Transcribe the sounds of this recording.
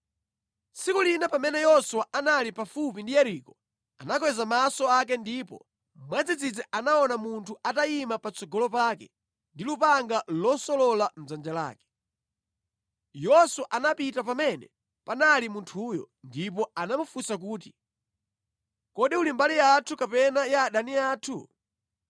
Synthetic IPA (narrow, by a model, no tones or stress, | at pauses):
sikulinapamɛnɛjɔswaanalipafup̬indijɛɾikɔ | a̰nak̬wɛzamasɔakɛndipɔ̰ | mwad͡zid͡zid͡zɛʔanaɔnamuntʰuataimapat͡sʰɔɡɔlɔpakɛ | ndilupaŋɡalɔsɔlɔlam̩zand͡ʒala̰ːkɛ̥ | jɔsuʔanapitapamɛnɛ̰ | panalimuntʰuːjɔ̰ | ndip̬ɔanamufusak̬uːti | kɔɗiulimbaliatʰukapɛnajaːɗaniaːtʰṵ